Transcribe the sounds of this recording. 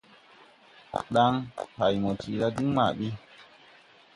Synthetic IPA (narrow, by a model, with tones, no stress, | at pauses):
ɗa˦ŋha˨jmo˨ti˨ɾa˦di˦ŋma̰˨ɓi˦